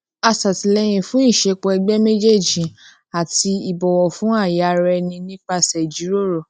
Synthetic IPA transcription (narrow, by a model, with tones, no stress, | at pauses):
a˧sa˨ti˨lɛ˧˦j̃ĩ˧fũ˦i˦˨ʃe˧k͡pɔ˧ɛ˧ɡ͡bɛ˦me˦d͡ʒe˦˨d͡ʒĩ˨ | a˨ti˧i˨bɔ˨wɔ˨fũ˨˦a˦˨ja˨˧˨ɾɛ˧nĩ˧nĩ˦k͡pa˧sɛ˨d͡ʒi˨˦ɾo˦˨ɾo˦˨